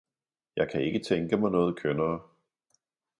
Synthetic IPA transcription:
jɑ̈ɪkʰæe̝ɡ̥ət͡sʰeŋɡ̥əmɑ̈ɪnɔ̽ːð̩ˠkʰønɐː

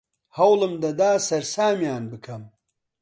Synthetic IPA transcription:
hɐwlɐmd̪ɐd̪aːsɐɾsaːmjaːnbɨkʰɐm

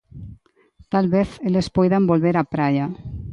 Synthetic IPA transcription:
t̪alβeθelespɔjðambolβeɾapɾaʎa

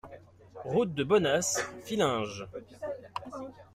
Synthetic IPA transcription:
ʁut̪̚d̪əbɔnasfilɛ̃ʒ

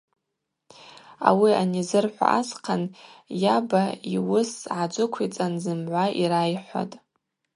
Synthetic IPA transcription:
a̰wianizɨrħʷa̰ʔazqʰanjabaiwʊsʕad͡ʒʷʊkʷʰit͡sʼanzɨmʕʷaʔiɾajħʷa̰tʼ

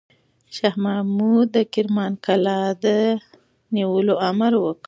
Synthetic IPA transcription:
ʃahmamud̪əkɪɾmɑnkalɑd̪ə | niwəloamaɾwək

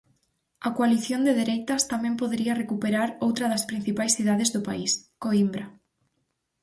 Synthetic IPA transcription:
ɐkwaliθjond̪eðeɾejt̪ɐst̪amɛ̃mpoðeɾiɐrekupeɾaɾowt̪ɾɐðɐspɾin̟θipajsθiðaðezðʊpa̰iskoimbɾa

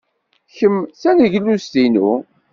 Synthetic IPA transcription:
çəmθæniʝlːust̪inṵ

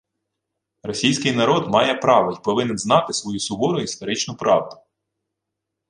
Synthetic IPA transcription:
rɔsʲijsʲkɪjnɐɾɔd̪mɑjɛpɾɑʋɔipɔʋɪnɪnznɑt̪ɪsʋɔjusʊbɔɾʊist̪ɔɾɪt͡ʃnʊpɾɑwd̪ʊ̥

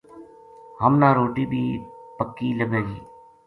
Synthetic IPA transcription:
həmnaːɾoːʈiːbʱiːpəkːiːləbeːɡiː

